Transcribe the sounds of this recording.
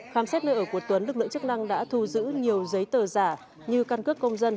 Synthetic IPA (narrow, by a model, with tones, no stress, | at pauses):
xaː˨˦msɛ˦˥t̚nəː˧jʔəː˧˩ku˧˩ət̪wə˨˦nlɨ˧˩k̚ɨ̰˧˨ŋt͡ɕɨ˦˥k̚na˧ŋɗa̰ː˧˥t̪ʰu˧zɨ̰˧˥ɲi˨˩əwzə˨˦jt̪əː˨˩zaː˧˩ | ɲɨ˧kaː˧nkɨ˦˥kːə˧wŋ͡mzə˧n